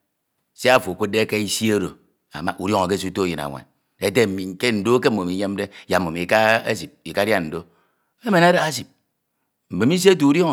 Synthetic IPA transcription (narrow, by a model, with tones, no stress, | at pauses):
se˦a˦fo˨o˨kʷu˦de˦ke˦i˦si˦o˦ɾo̰˨ | a̰˨ma˦ʔu˨ɾjo˦ŋo˨k̬e˦su˦to˦ji˨na̰˨ŋʷa̰˨n | e˦te˦˨m̩˨mi˨ŋ˦ke˦n̩˨do˦ke˦m̩˦˨o˨mi˨˦ɲe˦m˦de˦˨ja˨mː˨o˨mi˨ka˦e˦si˨p̚i˨ka˦da˦n̩˨do˦ | e˦me˨na˦da˨˦a˦si˨p̚ | m̩˨be˨mi˦se˦t̬u˨u˦ɾjo˦ŋ˨